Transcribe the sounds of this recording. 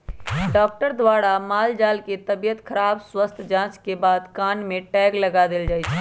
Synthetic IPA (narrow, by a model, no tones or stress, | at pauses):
ɖɔːk̚ʈəɾd̪waːɽamaːld͡ʒaːlket̪ɐbijət̪kʰɐɾaːbswəst̪ʰd͡ʒãːt͡ʃkebaːd̪kaːnmẽʈɛːɡlɐɡad̪ɪld͡ʒaːit͡ʃʰɛ